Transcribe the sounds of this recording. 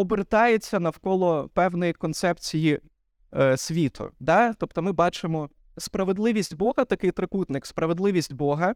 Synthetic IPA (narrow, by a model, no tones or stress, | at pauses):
ɔbert̪ɑjet͡sʲːɐnɐwkɔlˠɔpɛwnɔjikɔnt̪sɛpt͡sʲiji | sʲʋʲit̪ʰʊ̰d̪ɑt̪ɔpt̪ɔmɪbɑt͡ʃɪmɔ | spɾɐʋe̞d̪lˠɪʋʲisʲtʲbɔɦɐt̪ɐkɪjt̪ɾɪkut̪nɪkspɾɐʋed̪lˠɪʋʲisʲtʲbɔɦɐ